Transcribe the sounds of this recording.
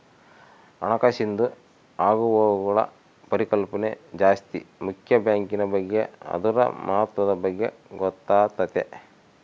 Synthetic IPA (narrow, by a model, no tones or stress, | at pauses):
ɐ̰nɐkaʃind̪u | aːɡuʋɔːɡuɡɐɭɐ̰ | pɐɾikɐlpɐnḛd͡ʒaːst̪ḭmukʰjɐbjaːŋkinɐbɐɡːeɐ̰d̪uɾɐ̰mɐɦɐt̪ʋɐd̪ɐbɐɡːe̞ɡɔt̪ːaːt̪ɐt̪e